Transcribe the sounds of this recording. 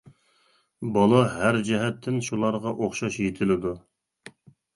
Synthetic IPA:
bɑlˠɑɦæɾd͡ʒɛɦɛt̪ʰːɪnʃulˠɑɾʁɑʔoχʃɑʃjet̪ʰɪlɪd̪u

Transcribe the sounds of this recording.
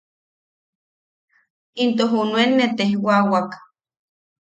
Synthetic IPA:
int̪oɦunwenːet̪ehwawak

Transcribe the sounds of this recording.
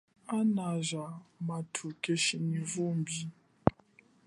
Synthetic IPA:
anazamatʰukʼeʃinivumbi

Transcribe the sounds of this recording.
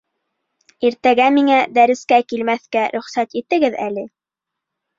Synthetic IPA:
iɾt̪æɡæmiŋæd̪æɾɘ̆skækilmæθkæɾɵ̆χsæt̪it̪ɘ̆ɡɘðælɘ

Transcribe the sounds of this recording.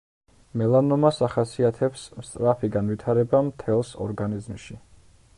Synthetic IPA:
mɛlˠanɔmasaχasiat̪ʰɛpsmst̪ʼɾapʰiɡanvit̪ʰaɾɛbamt̪ʰɛlˠsɔ̰ɾɡanizmʃi

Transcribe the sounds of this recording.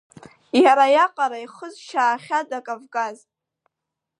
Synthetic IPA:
jaɾajaqʼaɾajχəzʃaːχʲadakʼavɡaz

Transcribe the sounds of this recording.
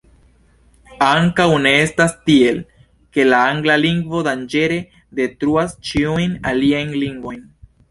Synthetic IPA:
aŋkawne̞e̞stastie̞l | ke̞laaŋɡlaliŋɡvo̞dand͡ʒe̞ɾe̞ | de̞tɾuast͡ʃiujnaliajnliŋɡvo̞jn

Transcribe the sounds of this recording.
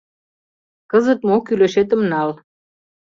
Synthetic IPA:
kɤzə̆t̪mokylĕʃet̪ə̆mnɑl

